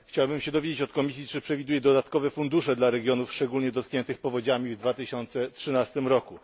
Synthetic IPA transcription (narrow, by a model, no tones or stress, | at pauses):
xt͡ɕawbɘmɕɛd̪ɔvʲed͡ʑet͡ɕɔt̪kɔmʲisʲjit͡ʂɘpʂɛvʲid̪ujɛd̪ɔd̪at̪kɔvɛfund̪uʂɛd̪laɾɛɡʲjɔnufʂt͡ʂɛɡulɲɛd̪ɔt̪̚kɲɛnt̪ɘxpɔvɔd͡ʑamʲivd̪vat̪ɘɕɔnt̪sɛtʂɘnast̪ɘmɾɔku